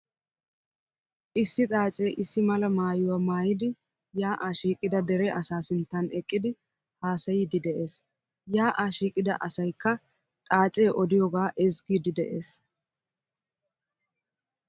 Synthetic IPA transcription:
ʔɪsːɪt̪ʼaːt͡sʼeːʔɪsːɪmɐlɐmaːjʊwaːmaːjɪd̪ɪ | jaːʔaːʃiːkʼːɪd̪ɐd̪ɛɾɛʔɐsaːsɪnt̪ːɐnɛkʼːɪd̪ɪ | haːsɐjiːd̪ɪd̪ɛʔe̞ːs | jaːʔaːʃiːkʼːɪd̪ɐ̰ʔɐsɐjkːɐ | t̪ʼaːt͡sʼeːʔɔd̪ɪjɔɡaːʔɛzɡiːd̪ɪd̪ɛʔeːs

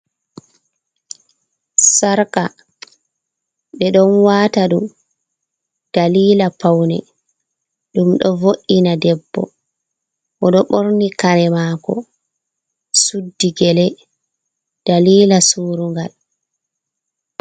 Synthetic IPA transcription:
saɾka | ɓɛɗɔnwaːtaɗum | d̥aliːlapawnɛ̰ | ɗumɗɔvoʔːinadɛbːɔ̰ | ʔɔɗɔɓoɾnikaɾɛmaːkɔ̰ | sudːiɡɛlɛ | d̥aliːlasuːɾuŋɡal

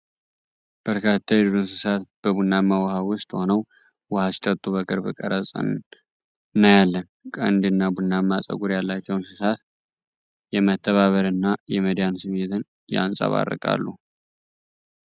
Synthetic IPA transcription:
b̥əɾkʰat̪ʰːajɛd̪ɨɾunsɨsat̪b̥əβunːamːawhawʊst̪ʼho̞nəw | wəhasi̥t̪ʰʼət̪ʼːuβəkʰʼɨɾbɨkʼə̰ɾəsʼə̰nn | nəjalːənkʼə̰nd̪ɨnːabunːamːasʼə̰ɡuɾjalːat͡ʃːɛwnsɨsat̪ | jɛmət̪ʰːəβaβəɾɨnːajɛməd̪ijansɨmet̪ʰɨn | ja̰nsʼa̰βa̰rːə̰kʼa̰lːṵ

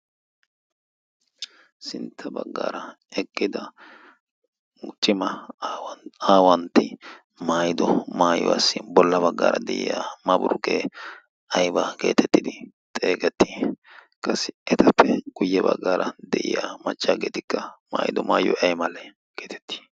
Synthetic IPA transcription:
sɪnt̪ʰːɐbɐɡːaːɾɐ | ɛkʼːɪd̪ɐ | t͡ʃʼɪmɐ | aːwɐnt̪ɪ | maːjɪd̪ɔmaːjɔ̰a̰sːɪbɔlːɐbɐɡːa̰ːɾɐd̪ɛʔɪ̰jamɐbʊɾʊɡeː | ɐjbɐke̞̰ːt̪ɛt̪ːɪd̪ɪ | t̪ʼeːɡɛt̪ːi̥ | kʼɐsɪʔɛt̪ɐpːɛɡ̥ʊjːɛbɐɡːaːɾʔɐd̪ɛʔɪ̰jaːmɐt͡ʃʼːaːɡḛːt̪ɪkːɐma̰ːjɪd̪ɔmaːjɔ̰ʔɐjmɐlɛ | keːt̪ɛ̥t̪ːi̥ː

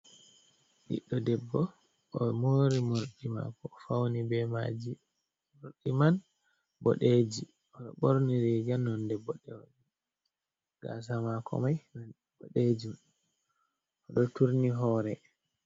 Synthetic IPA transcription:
ɗḭɗːɔdɛbːɔ | ʔɔmoɾimoɾɗima̰kɔːfawnibɛmad͡ʒi | moɾɗiman | bɔ̰ɗed͡ʒi | ɔɗɔ̰ɓoɾniɾɛd͡ʒanːɔndɛbɔɗɛwaɗi | ɡ̥a̰s̬amakʰɔ̰majnan | bɔɗed͡ʒum | ʔɔɗɔtuɾniɦɔːɾɛ

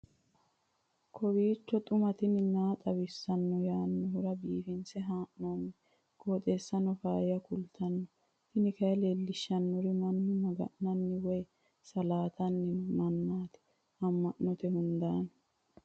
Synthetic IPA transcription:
kʰɔwiːt͡ʃːɔt̪ʼʊmɐt̪ɪnɪnaːt̪ʼɐwɪsːɐnːɔjaːnːɔhʊɾɐbiːfɪnsɛɦaːʔnoːnːɛ | kʰoːt̪ʼeːsːɐnːɔfaːjɪjɐkʊlt̪ʰɐnːɔ | t̪ɪnɪkɐjleːlːɪʃːɐnːɔɾɪmɐnːʊnɔɡɐ̰ʔnɐnːɪwɔj | sɐlaːt̪ʰɐnːɪmɐnːaːt̪ɪ̥ | hɐmːɐʔːɔt̪ɛhʊnd̪aːn

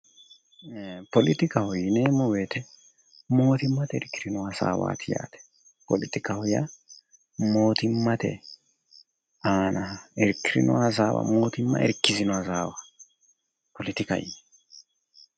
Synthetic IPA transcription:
pɔlɪt̪ɪkɐhʊjneːmɔweːt̪ɛ | mo̞ːt̪ɪmːɐt̪ɛɪɾkːɪɾɪnɔɐza̰ːwa̰ːt̪ʰɪja̰ːt̪ɛ̥ | pɔlɪt̪ɪkahʊja | mo̞ːt̪ɪmːɐt̪ɛ̰ | aːnɐɛɾkːɪɾɪ̰nɔ̰ɐzaːwa̰mo̞ːt̪ɪmːɐ̰ʔɛ̰ɾkːɪzɪnɔɐzaːwa | pɔlɪt̪ɪkɐ̰j

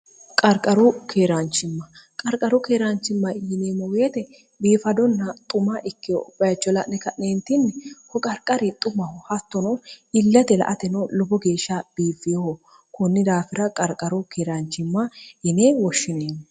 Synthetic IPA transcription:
kʼɐɾkʼɐɾʊkʰeːɾant͡ʃːɪmːɐkʼɐɾkʼɐɾʊkeːɾant͡ʃːɪmːɐjɪneːmɐweːt̪ɛ | biːfɐd̪ɔnːɐt̪ʼʊmɐʔɪkːɪjɔbɐjɐt͡ʃːɔlɐʔnɛkɐʔneːnt̪ɪnːɛhɔkʼɐɾkʼɐɾɪt̪ʼʊmɐhɔhɐt̪ːɔnɔɪlːɐt̪ɛlɐ̰ʔɐt̪ɛnɔlɔbɔɡe̞ːʃːab̥iːfɪjohɔ | kʊnːɪd̪aːfɪɾɐkʼɐɾkʼɐɾʊkʰeːɾant͡ʃːɪmːɐjɪneːwɔʃːɪneːn

